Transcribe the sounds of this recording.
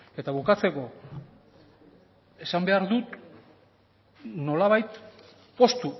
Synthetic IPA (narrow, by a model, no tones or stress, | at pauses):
e̞t̪aβukat͡se̞ko̞ | e̞sambe̞aɾðut̪ | no̞laβajt̪ | po̞st̪u